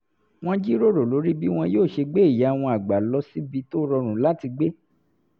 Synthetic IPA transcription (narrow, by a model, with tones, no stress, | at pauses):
w̃ɔ̃˦d͡ʒi˦ɾo˦ɾo˨lo˨˦ɾi˦bi˦w̃ɔ̃˧joː˦˨ʃe˧ɡ͡be˦i˦˨ja˨˦˨w̃ɔ̃˧a˨ɡ͡ba˨lɔ˧˦si˦bi˧to˦ɾɔ˧ɾ̃ũ˨˦la˦ti˧ɡ͡be˦